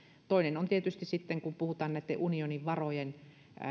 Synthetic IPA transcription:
t̪oˑinenont̪iet̪yst̪issit̪ːeŋkumpuhut̪ɑːnnæˑit̪ːḛʔunioniʋʋɑrojen

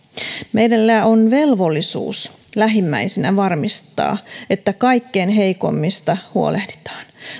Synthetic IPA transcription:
mejdelːæːonʋe̞lʋo̞lːisṵːs | læɦimːæ̰isenæʋɑrmist̪ˑɑ̰ːet̪ːækɑijkːeːnɦejko̰mːist̪ɑhuo̰lehdi̥t̪ɑ̥ːn

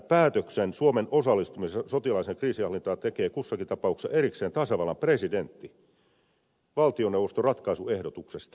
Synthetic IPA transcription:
pæːt̪øksensuomenʔo̞sɑlːist̪umissot̪ilɑiseŋkriːsiɑlːˑint̪ɑːt̪ekeːkusːɑkit̪ɑpɑuksɑʔeɾikseːnt̪ɑsɑʋɑlɑmpresident̪ːi | ʋɑlt̪ionːewʋost̪orɑt̪kɑisuehdot̪uksest̪

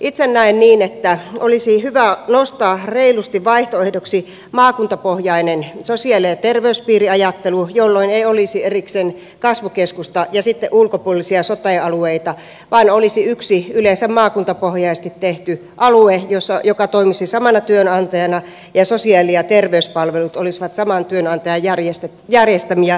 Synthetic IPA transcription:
ʔit̪senːæinniːnet̪ːæʔolisihyʋænost̪ɑːreilust̪iʋʋɑiht̪oehdoksi | mɑːkunt̪ɑpohjɑinensosiɑliɑt̪erʋeyspiːriɑjɑt̪ːelujolːoineiolisieriksen | kɑsʋukeskust̪ɑjɑsit̪ːḛʔulkopuolisiɑsot̪eɑlueit̪ɑ | ʋɑːnolisiyksiylensæmmɑːkunt̪ɑpohjɑist̪it̪t̪eht̪y | ʔɑluejosːɑjokɑt̪oimisisɑmɑnɑt̪yønɑnt̪ɑjɑnɑ | jɑsosiɑliɑt̪erʋeyspɑlʋelut̪olisʋɑt̪sɑmɑnt̪yønɑnt̪ɑjɑjjærjest̪e | jærjest̪æmiɑ

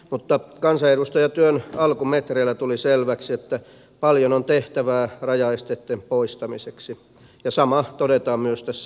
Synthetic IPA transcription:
mut̪ːɑkɑnsɑedust̪ɑjɑt̪yønɑlkumet̪reilːˑæt̪uliselʋæksiet̪ːæ | pɑljonont̪eht̪æʋæːrɑjɑest̪et̪ːempoist̪ɑmiseksi | jɑsɑmɑt̪odet̪ɑːmmyøst̪æsːæ

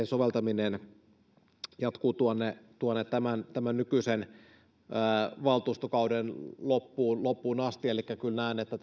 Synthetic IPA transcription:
ensoʋelt̪ɑminen | jɑt̪kuːt̪uonːet̪uonːet̪t̪æmænt̪æmænnykysenː | ʋɑlt̪uːst̪okɑudenlopːuːnlopːuːnɑst̪ielikːækylnæˑinet̪ːæt

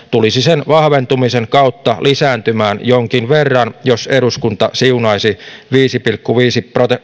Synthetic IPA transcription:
t̪ulisisenʋɑhʋent̪umiseŋkɑut̪ːɑlisæːnt̪ymæːnjoŋkinʋerːɑnjoseɾuskunt̪ɑsiunɑisiʋiːsipilkːuʋiːsiprot̪e

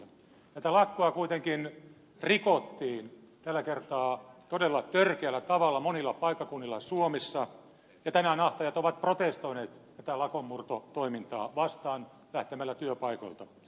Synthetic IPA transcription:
ɑt̪ælɑkːoɑkuit̪eŋkin | rikot̪ːiːn | t̪ælːækert̪ɑːt̪odelːɑt̪ørkeælːæt̪ɑʋɑlːɑmonilːɑpɑikːɑkunːilːɑsuomisːɑ | jɑt̪ænænɑht̪ɑjɑt̪oʋɑt̪̚prot̪est̪oineːt̪t̪æt̪ælɑkomːurt̪ot̪oimint̪ɑ̰ːʋɑst̪ɑːn | læht̪emælːæt̪yøpɑikŏ̰lt̪ɑ

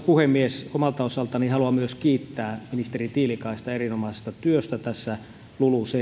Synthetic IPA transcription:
puhemːiesomɑlt̪ɑosɑlt̪ɑnihɑluɑmyøskiːt̪ːæːminist̪erit̪iːlikɑist̪ɑerinomɑise̥st̪ɑt̪yøst̪æt̪æsːæ | luluse

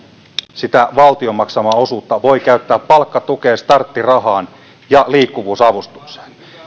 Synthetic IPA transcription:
sit̪æʋɑlt̪io̞mɑksɑmɑo̞suːt̪ːɑʋo̞jkæyt̪ːæːpːɑlkːɑt̪ukeːst̪ɑrt̪ːirɑɦɑːn | jɑliːkːuʋuːsɑʋust̪u̥kse̥ːn

